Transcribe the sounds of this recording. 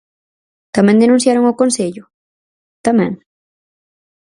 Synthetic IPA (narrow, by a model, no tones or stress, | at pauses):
t̪amɛ̃nd̪enũn̟θjaɾoŋokonseʎʊ | t̪amɛ̰̃ŋ